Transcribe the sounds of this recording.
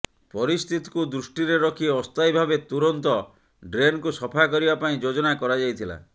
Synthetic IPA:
pɔɾist̪ʰit̪i̥kud̪ɾusʈiɾeɾɔkʰieɔst̪ajbʱabet̪uɾɔnt̪ɔ | ɖɾenkusɔpʰakɔɾibapaĩd͡ʒod͡ʒɔnakɔɾad͡ʒajt̪ʰila̰

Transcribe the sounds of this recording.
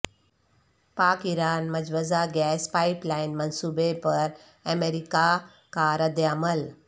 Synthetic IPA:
paːkiɾaːnmɐd͡ʒʋəzaɡɛːspaːiplaːɪnmɐnsuːbepɐɾ | ɐmeːɾika | kaɾɐd̪jaːməl

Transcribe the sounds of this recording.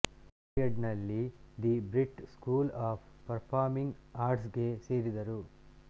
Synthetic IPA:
ɐɖnɐlːid̪ibɾiʈskuːlaːppɐɾpʰaːɾmiŋɡaːɾʈs̬ɡe̞se̞ːɾid̪ɐɾu

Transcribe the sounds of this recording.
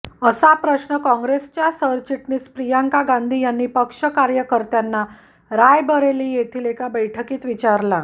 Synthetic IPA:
əsapɾəsɳəkɔ̃ŋɡɾest͡ɕjasəɾt͡ɕiʈniːspɾijaŋkaɡãnd̪ʱiːjanːiːpəkʂəkaɾjəkəɾt̪janːa | ɾajbəɾeliːjet̪ʰiːlekabəjʈʰəkiːt̪ʋit͡ɕaɾla

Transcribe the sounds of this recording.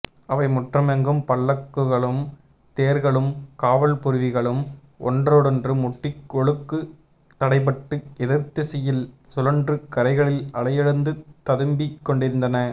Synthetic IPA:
ɐʋɐɪmɔʈrɐmɛŋɡɯmpɐɭːɐkːɯɣɐɭɯm | t̪eːɾɣɐɭɯmkaːʋɐlpʊɾɯʋɪɣɐɭɯm | ɔ̰ndroːɽɛndrɯmʊʈːɪkːɔɭɯkːɯ | t̪ːɐɽɐɪpɐʈːɯɛðɪɾt̪ːɯsɛjɪlsʊlɐndrɯkɐɾɐɪɣɐɭɪlɐɭɐjɪɽɐnd̪ɯt̪ɐðɯmbɪkːɔɳɖɪɾɯnd̪ɐnɐ

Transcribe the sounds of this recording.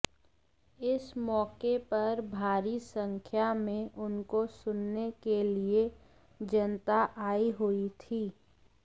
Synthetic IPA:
ɪsmɔːkepɐɾbʱaːɾisə̃ŋkʰjamẽʔʊnkosʊnːekelie | d͡ʒɐnt̪aʔaːiɦʊit̪ʰiː

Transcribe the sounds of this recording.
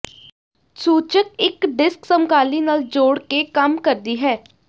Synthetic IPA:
suːt͡ʃək̚ɪkɖɪsksəmkaːliːnaːld͡ʒoːɽkekəmkəɾd̪iːɦɛː

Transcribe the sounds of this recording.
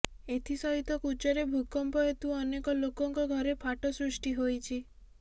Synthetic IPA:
et̪ʰisɔɦit̪ɔkut͡ʃɔɾebʱukɔmpɔet̪uɔnekɔlokɔŋkɔɡʱɔɾepʰaʈɔsɾusʈiɦojt͡ʃʰi

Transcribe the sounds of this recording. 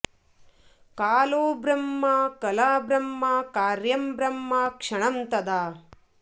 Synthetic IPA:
kaːloːbɾɐmːakɐlaːbɾɐmːaːkaːɾjɐmbɾɐmːaːkʂɐɳɐmt̪ɐd̪aː

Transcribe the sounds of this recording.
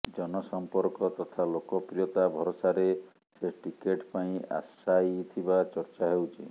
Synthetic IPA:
d͡ʒɔnɔsɔmpɔɾkɔt̪ɔt̪ʰalokɔpɾijɔt̪abʱɔɾosaɾe | seʈikeʈpaĩa̰sajt̪ʰibat͡ʃɔɾt͡ʃaɦewt͡ʃʰi

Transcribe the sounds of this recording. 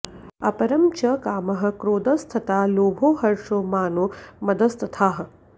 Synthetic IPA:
ɐpɐɾɐmt͡ʃɐkaːmɐɦɐ̆kɾoːd̪ɐst̪ʰɐt̪aːloːbʱoːɦɐɾʂoːmaːnoːmɐd̪ɐst̪ʰɐt̪ʰaːɦɐ̆

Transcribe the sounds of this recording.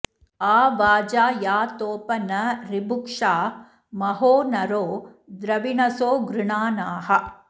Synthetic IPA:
aːʋaːd͡ʒaːjaːt̪oːpɐnɐɾibukʂaː | mɐɦoːnɐɾoː | d̪ɾɐʋinɐsoːɡɾɪɳaːnaːɦɐ

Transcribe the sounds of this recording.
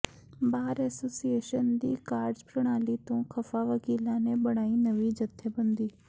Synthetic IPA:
baːɾɛːsoːsieːʃənd̪iːkaːɾɖzpɾɐɽ̃aːlit̪õxʰɐfaʋɐkiːlãnẽbɐɽ̃aːinɐʋid͡ʒɐt̪ʰːebɐ̃nd̪iː

